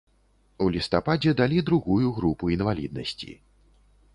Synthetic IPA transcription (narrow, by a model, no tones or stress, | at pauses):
ulʲist̪apad͡zʲɛd̪alʲid̪ɾuɣujuɣɾupuinvalʲḭd̪̚nɐsʲt͡sʲḭ